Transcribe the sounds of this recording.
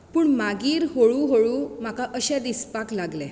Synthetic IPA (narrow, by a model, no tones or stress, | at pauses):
puːɳmaɡiːɾɦoɭuɦoɭum̤akaʔəɕãd̪ispaklaɡlɛ